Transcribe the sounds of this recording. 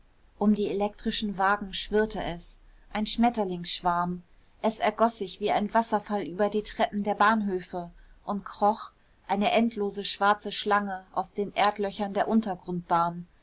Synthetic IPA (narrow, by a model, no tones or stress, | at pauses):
ʔʊmdiːelɛk̚tʁ̥ɪʃn̩vaːɡŋ̩ʃv̥ɪɐtəʔɛs | ʔaɪnʃmɛtɐlɪŋsʃv̥aɐm | ʔɛsɛɐɡɔsz̥ɪçv̥iːaɪnvasɐfalʔyːbɐdiːtʁ̥ɛpm̩deːɐbaːnɦøːfəʔʊntkʁ̥ɔχ | ʔaɪnəʔɛntʰloːzəʃv̥aɐt͡səʃlaŋəʔa̰ʊsd̥eːnʔeːɐtlœçɐndeːɐʔʊntɐɡʁʊnt̚b̥aːn